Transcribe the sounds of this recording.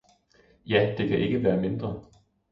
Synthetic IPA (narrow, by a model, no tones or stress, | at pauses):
jæd̥e̝kʰæʔe̝ɡ̥əʋæːɐme̝nd̥ʁɐ